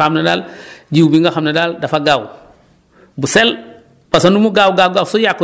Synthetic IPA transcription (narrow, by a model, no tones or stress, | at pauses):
amneda̰ld͡ʒiwbiŋɡaxamnedaldafaɡaːw | busɛl | pasandumuɡawɡawɡawsojakː